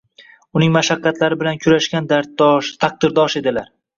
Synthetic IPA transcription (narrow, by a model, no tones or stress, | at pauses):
ʊnɪŋmaʃaqːɑt̪laɾɪbɪlankʲʰʊɾaʃkʲand̪aɾ̚ʃt̪ʰaq̚d̪ɪɾd̪ɒʃe̞d̪ɪlaɾ